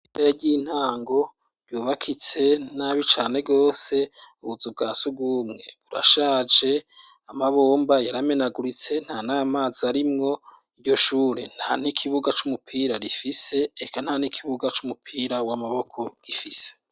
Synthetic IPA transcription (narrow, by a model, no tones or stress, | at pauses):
imbejaɟin̥haːŋɡo̞ | ɾjuːβakʰit͡se̞naβit͡ʃaːne̞ɡo̞ːse̞uβuzub̚ɡaːsub̚ɡuːmŋe̞̰βuɾa̰ʃaːd͡ʒe̞ | amaβoːmbajaɾame̞naɡuɾit͡se̞n̥hanaːmaːziaɾimŋo̞ | iɟo̞ʃuːɾe̞̰n̥han̥ikʰiβuɡat͡ʃumupʰiːɾaɾifise̞ːkanhanikʰiβuɡat͡ʃumupʰiɾawamaβo̞kʰo̞ɡ̥ifise̥